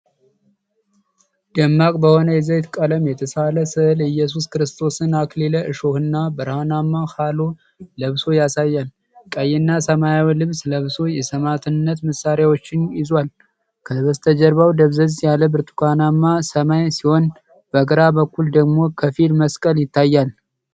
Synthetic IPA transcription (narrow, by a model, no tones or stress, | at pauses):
d̪̥əmːakʼbəho̞nəjɛzəjt̪kʼələmjɛt̪ʰəsaləsɨʔɨlɨjːɛs̬uskɨɾɨst̪ʰo̞sɨnakleləʔɨʃo̞hɨnːabəɾhanamːahalo̞ | ləβso̞jasajːal | kʼəjːɪnːasəmajawilɨβsləβso̞jɛsəmat̪ʰɨnːət̪məsːaɾejawo̞t͡ʃːɪnjɪzwal | kʰəβəst̪ʰəd͡ʒəɾβawd̪əβzəzjaləbɨɾt̪ʰu̥kʰanamːasəmajsiho̞n | b̥əɡəɾabəkːuld̪əɡmo̞kʰəfilməskʼəljɪt̪ʰːajːal